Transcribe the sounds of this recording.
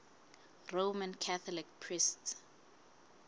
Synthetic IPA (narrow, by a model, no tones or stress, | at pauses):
romankʰaθʰɔlikpʰrist